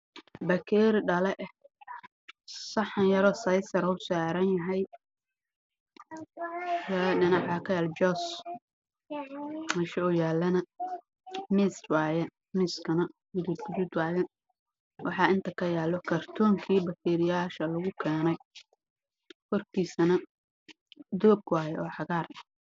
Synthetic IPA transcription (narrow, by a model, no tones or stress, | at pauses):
bɐkʰɛːɾɖɐlɛʔ | sɑħnjɐɾɔsɐjsɐɾʊsaːɾɐnjɐɦɛj | jaɖɪnɑħɐkʰɐjaːld͡ʒɔːs | mɐʃɐʊjaːlːɐnɐ | miswaːjɛ | miːskʰɐnɐwʊd̪uːb̪ɡʊduːd̪waːjɛ | wɑħɑɪnt̪ʰɐkʰɐjaːlɔkʰɐrt̪ʰɔːŋkʰiːbɐkʰɛːɾɪjaːʃɐlɐɣʊkʰɛːnɛj | kʰɔrkʰiːsɐnɐ | d̪ɔːb̚kwaːjɛɔːħɑɣaːr